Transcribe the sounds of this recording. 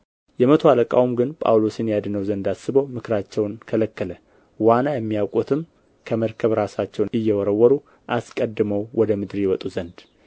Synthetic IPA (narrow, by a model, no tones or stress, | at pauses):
jɛmət̪ʰoaləkʼa̰wumɡɨnpʼa̰wlo̞sɨnjad̪nəwzənd̪asːɨbəwmɨkʰɾat͡ʃːɛwnkʰələkːələ | wanːajɛmːijawkʼut̪ʰɨm | kʰəməɾkʰəβɾasat͡ʃːɛwnɨjːɛwɔɾəwːɔɾu | ʔaskʼəd̪ːməwwɔd̪əmɨd̪ɾijɛwɔt̪ʼuzənd̪